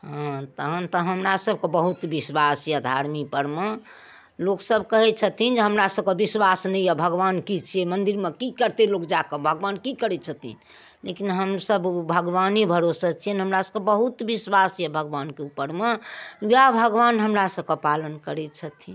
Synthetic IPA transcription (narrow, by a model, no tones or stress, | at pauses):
ɦãt̪əɦə̃nt̪əɦəmɾasəb̚ʱkebəɦut̪biswasjad̪ʱaɾmikpəɾme | loksəbʱkəɦɛt͡ʃʰət̪ʰind͡ʒeɦəmɾasəb̚kebiswasnɛijabʱəɡʋankit͡ʃʰiemənd̪iɾmekikəɾt̪elokd͡ʒakebʱəɡʋankikəɾɛt͡ʃʰət̪ʰḭn | lekinɦəmsəbbʱəɡʋanibʱəɾosat͡ʃʰiɛnɦəmɾasəbkebəɦut̪biswasjabʱəɡʋankeupːəɾmewjabʱəɡʋanɦəmɾasəb̚kepalənkəɾɛt͡ʃʰət̪ʰi